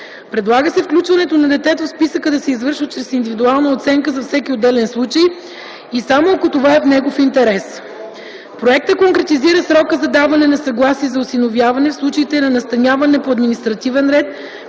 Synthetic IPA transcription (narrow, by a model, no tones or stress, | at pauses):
pɾɛd̪lˠaɡəsɛfklʲut͡ʃvɐnɛt̪onɐd̪ɛt̪ɛt̪ofspisəkəd̪ɐsɛizvɤɾʃvət̪t͡ʃɾɛsind̪ivid̪ualˠnɐot̪sɛŋkəzɐfsɛkiod̪ːɛlɛnslˠut͡ʃəj | isamookot̪ovaɛfnɛɡofint̪ɛɾɛs | pɾoɛk̚t̪əkoŋkɾɛt̪iziɾəsɾɔkəzɐd̪avɐnɛnɐsɐɡlˠasiɛzɐʊsinovjavɐnɛfslˠut͡ʃɐit̪ɛnɐnɐst̪ɐnʲavɐnɛpoɐd̪minist̪ɾɐt̪ivɛnɾɛt̪